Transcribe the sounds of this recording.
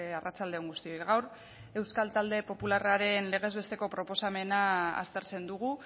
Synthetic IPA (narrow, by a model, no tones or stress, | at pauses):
arʔat͡sald̪e̞oŋɡust̪io̞jkɣawɾ | e̞wskalt̪ald̪e̞po̞pularaɾe̞nle̞ɣ̞e̞zβe̞st̪e̞ko̞pɾo̞po̞same̞naa̰st̪e̞ɾt͡se̞nd̪uɣ̞u